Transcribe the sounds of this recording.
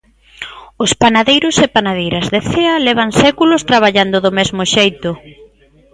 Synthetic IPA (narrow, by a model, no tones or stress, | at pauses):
ʊspanaðejɾʊsepanað̞ejɾazðeθeɐlɛβ̞aŋsɛkulʊst̪ɾaβ̞aʎand̪ʊðomezmoʃejt̪ʊ